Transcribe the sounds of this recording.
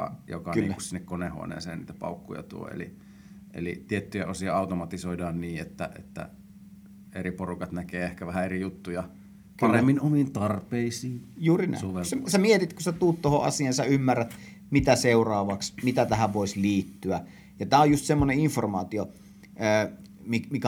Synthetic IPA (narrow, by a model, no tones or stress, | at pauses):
ɑ̰jo̰kɑyḭːku̥ssinːekkonehṵo̰nḛːsḛːniːt̪æ̥pɑ̰ˑukːujɑ̰t̪uo̰ḛlḭ | ʔḛlḭt̪iet̪ːyjæosiɑɑˑut̪omɑt̪isoidɑːnniːet̪ːæ̰ʔḛt̪ːæ̰ | eriporukɑt̪nækeːehkæʋæhæerijut̪ːujɑ | pɑremːinomint̪ɑrpeisiːjuːrinæ̰oʋesesæmiet̪it̪kusæt̪uːt̪t̪ohoʔɑ̰siɑnsæymːærːæt̪ | mit̪æseurɑːʋɑksmit̪æt̪æhæʋʋoisliːt̪ːyæ | jɑt̪æːojust̪semːoneiɱformɑːt̪io | əː | mimikæ